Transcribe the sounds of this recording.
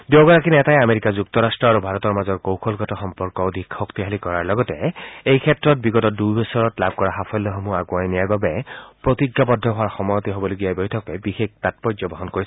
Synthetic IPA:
deoɡɔɹakinɛtajameɹikazuk̚tɔɹastɹɔaɹubʱaɹɔtɔɹmazɔɹkowkʰɔlɡɔtɔxɔmpɔɹkɔodʱikxɔktiɦalikɔɹaɹlɔɡɔtɛejkʰɛtɹɔt̚biɡɔtɔdujbɔsɔɹɔtlab̚ʱkɔɹaxapʰɔlːɔɦɔmuaɡuajnijaɹbabɛpɹotiɡːabɔdʱːɔɦɔaɹxɔmɔjɔtiɦobɔloɡijajbɔjtʰɔkɛbixek̚tat̚pɔjzɔbɔɦɔnkoɹis

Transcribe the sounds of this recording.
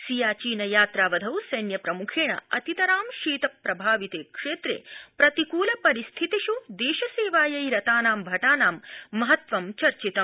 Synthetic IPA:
sijaːt͡ʃiːnɐjaːt̪ɾaːʋɐd̪ʱɐwsɐjnjɐpɾɐmukʰeːɳɐ̰ɐt̪it̪ɐɾaːmʃiːt̪ɐpːɾɐbʱaːʋit̪eːkʂeːt̪ɾḛːpɾɐt̪ikuːlɐpɐɾist̪ʰit̪iʃud̪eːʃɐseːʋaːjɐjɾɐt̪aːnaːmbʱɐʈaːnaːmːɐɦɐt̪ʋɐmt͡ʃɐɾt͡ʃit̪ɐm

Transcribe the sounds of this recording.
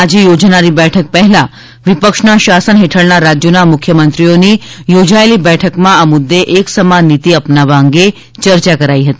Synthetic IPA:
ad͡ʒejod͡ʒnaɾibɛʈʰək̚pəɦɛlã | ʋipəkʃnaʃasənɦeʈʰəɭnaɾad͡ʒjonamʊkʰjəmənt̪ɾijonijod͡ʒaelibɛʈʰəkmãamʊd̪ːeʔeksəmanːit̪iəpnaʋaəŋɡe | t͡ʃəɾt͡ʃakəɾaiɦət̪i

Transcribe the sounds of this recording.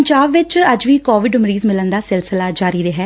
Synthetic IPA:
ɲd͡ʒaːbʋɪt͡ʃəd͡ʒʋiːkɔːʋɪɖʊmɾiːzmɪlənd̪aːsɪlsɪlaːd͡ʒaːɾiːɾəɦɛː

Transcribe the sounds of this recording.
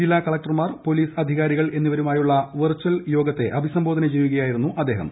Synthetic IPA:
d͡ʑilːaːkɐɭɐk̚ʈɐrmaːrpo̞liːsɐd̪ʱiɣaːɾiɣɐɭe̞nːiʋɐɾumaːjuɭːɐʋɨrt͡ɕːɐljo̞ːɡɐt̪ːe̞ʔɐbʱisɐmbo̞ːd̪ɐnɐt͡ɕeːjuɣɐjaːjiɾunːuʔɐd̪ːe̞ːɦɐ̰m

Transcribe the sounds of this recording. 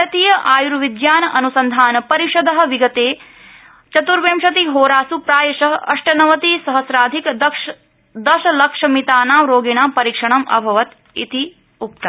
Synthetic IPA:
ɐt̪iːjɐʔaːjuɾʋid̪jaːnɐʔɐnusɐnd̪ʱaːnɐpɐɾiʃɐd̪ɐɦɐ̆ʋiɡɐt̪eː | t͡ʃɐt̪uɾʋeːmʃɐt̪iɦoːɾaːsupɾaːjɐʃɐɦɐɐ̰ʂʈɐnɐʋɐt̪iːsɐɦɐsɾaːd̪ʱikɐɐ | d̪ɐʃɐlɐkʂɐmit̪aːnaːmɾoːɡiɳaːmpɐɾiːkʂɐɳɐmʔɐ̰bʱɐʋɐt̪ | ḭt̪i | up̚t̪ɐ

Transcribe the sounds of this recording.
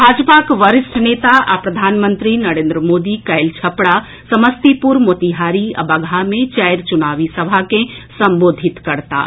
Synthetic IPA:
bʱaːd͡ʒpakʋəɾɪsʈʰneːt̪aʔapɾɐd̪ʱaːnmənt̪ɾinəɾẽːnd̪ɾəmoːd̪ikəjlt͡ʃʰəpɽa | səməst̪ipuɾmot̪iɦaːɾia̰bəɡʱamẽt͡ʃəjɾt͡ʃunaːʋisəbʱakẽsəmboːd̪ʱit̪kɐɾt̪a̰

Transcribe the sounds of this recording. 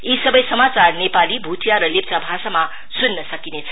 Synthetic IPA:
isʌbʌjsʌmat͡sarnepalibʱut̪ʰjaɾʌlep̚t͡sabʱasama | sunːʌsʌkinet͡sʰʌ̥

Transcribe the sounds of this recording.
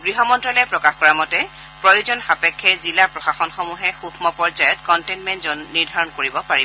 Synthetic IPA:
ɡɹiɦɔmɔntɹɔlɛpɹɔkaxkɔɹamɔtɛ | pɹɔjuzɔnxapɛkʰːɛzilapɹɔxaxɔnxɔmuɦɛxukʰmɔpɔɹzajɔtkɔntenmɛntzɔnːiɹdʱaɹɔnkoɹibɔpaɹibɔ

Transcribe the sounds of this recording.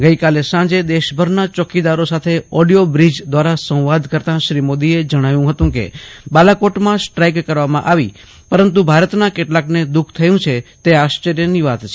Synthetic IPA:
ɡəikalesãd͡ʒed̪eʃbʱəɾnat͡ʃɔkid̪aɾosat̪ʰeɔɖijobɾid͡ʒd̪ʋaɾasə̃w̃ʋad̪kəɾt̪ãʃɾimod̪ied͡ʒəɽ̃aʋjũɦət̪ũkḛbalakoʈmãsʈɾajkːəɾʋamãʔaʋi | pəɾənt̪̬ubʱaɾət̪nakeʈlakned̪ukʰt̪ʰəjũt͡ʃʰet̪eaʃt͡ʃəɾjəniʋat̪t͡ʃʰ

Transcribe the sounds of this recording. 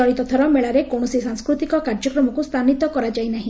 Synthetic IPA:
ɔɽit̪ɔt̪ʰɔɾɔmeɭaɾekoɳ̃ɔsisaŋskɾut̪ikɔkaɾd͡ʒɔkɾɔmɔkust̪ʰanit̪ɔkɔɾad͡ʒajnaɦĩ

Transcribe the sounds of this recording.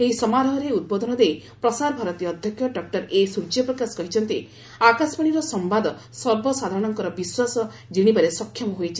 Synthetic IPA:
eɦisɔmaɾɔɦɔɾeud̪̚bɔd̪ʱɔnɔd̪ejpɾɔsaɾbʱaɾɔt̪ijɔɔd̪ʱjɔkʰjɔɖɔk̚ʈɔɾesud͡ʒjɔpɾɔkaskɔɦit͡ʃʰɔnt̪i | akaspaɽ̃iɾɔsɔmbad̪ɔ | sɔɾbʱɔsad̪ʱaɾɔɽ̃ɔŋkɔɾɔbiswasɔ | d͡ʒiɽ̃ibaɾesɔkʰjɔmɔɦojt͡ʃʰi̥

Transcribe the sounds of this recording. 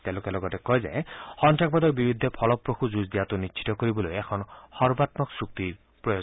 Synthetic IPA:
t̪elokelɔɡɔtɛkɔjza̰jhɔntak̚bɔd̪ɔɹbibʱid̪ʱːɔpʰɔlɔpːɾoxuzuzd̪ijat̪unit͡ʃt͡ʃʰi̥t̪ɔkoɾibɔlojɛkʰɔnhɔɾbat̪mɔksuk̚t̪i | pɹɔjɔ

